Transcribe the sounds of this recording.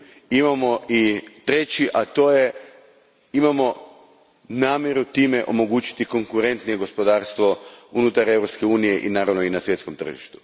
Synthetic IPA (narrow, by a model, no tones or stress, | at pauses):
imamo̞it̪ɾe̞t͡ɕiʔat̪o̞ːje | imamo̞ | naːmʲje̞ɾut̪iːme̞ʔo̞̰mo̞ɡuːt͡ɕi̥t̪iko̞ŋkuɾe̞nt̪nije̞ɡo̞spo̞d̪aːɾst̪ʋo̞unut̪aɾe̞vɾo̞pske̞uːnije̞ʔinaːɾaʋno̞inasʋje̞t̪sko̞mt̪ɾr̩ʒḭʃt̪u̥